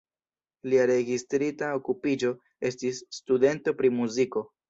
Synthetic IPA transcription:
liaɾe̞ɡistɾitaokupid͡ʒo̞ | e̞stisːtude̞nto̞pɾimuziko̞

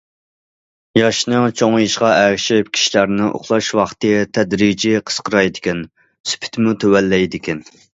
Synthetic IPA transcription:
jɑʃnɨŋt͡ʃʰoŋiʃqɑʔɛɾʃɪp̚kʲʰi̥ʃilæɾnɪʔo̰χlˠɑʃwɑχt̪ɨt̪ʰɛd̪ɾid͡ʒiqʰə̥sqʰəɾɑjd̪ɪkʲɛn | sy̥pʰɪ̥t̪ʰmut̪ʰɛwɛlːɛjd̪ɪkʲɛn

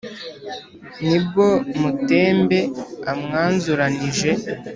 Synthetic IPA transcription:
nib̚ɡomute̞ːmbe̞amŋaːnzuɾaniʒe̞

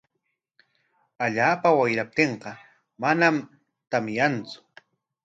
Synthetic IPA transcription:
aʎaːpawajɾap̚t̪eɴqɑ | manam | t̪amjant͡sʊ̥

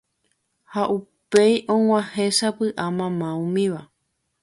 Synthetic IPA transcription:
haʔupejʔõŋ̃ʷãhẽ̞ʃapɨʔamãmãũmĩʋa

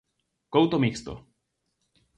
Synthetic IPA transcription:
kowt̪omikst̪o̰

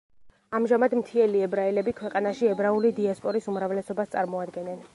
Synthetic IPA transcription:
amʒamad̪mt̪ʰiɛliɛbɾailɛbikʰwɛqʼanaʃiɛbɾaulid̪iaspʼɔɾisumɾavlɛsɔbast̪sʼa̰ɾmɔad̪ɡɛnɛn

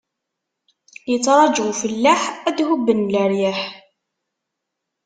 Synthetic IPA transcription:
jət͡sːɾˤɑd͡ʒuwfəlːaħæd̪hʊbːənləɾjæħ

